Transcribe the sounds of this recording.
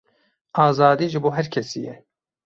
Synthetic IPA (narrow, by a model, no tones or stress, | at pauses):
ɑːzɑːd̪iːʒɨboːɦɛɾkʰɛsiːjɛ